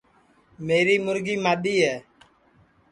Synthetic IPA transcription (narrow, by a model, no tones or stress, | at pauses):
meːɾiːmʊɾɡiːmaːɗiːɦɛː